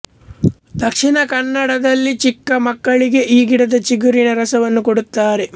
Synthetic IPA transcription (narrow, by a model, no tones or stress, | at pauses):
d̪ɐkʂinɐkɐnːɐɽɐd̪ɐlːit͡ʃikːɐmɐkːɐɭiɡe̞ʔiːɡiɽɐd̪ɐt͡ʃiɡuɾinɐɾɐsɐʋɐnːukoɽut̪ːaːɾe